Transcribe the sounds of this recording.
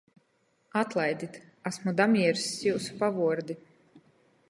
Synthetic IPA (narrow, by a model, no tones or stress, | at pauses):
at̪lˠajd̪it̪ | asmud̪amiɛɾsːiwsu̥pavuɔɾd̪i